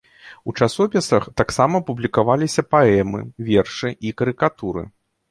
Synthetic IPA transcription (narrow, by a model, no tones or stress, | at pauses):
ut͡ʂasɔpʲisɐxt̪aksamɐːpublʲikavalʲisʲɐpaɛmɨ̰vʲɛrʂɨʔikɐɾɨkat̪uɾɨ̰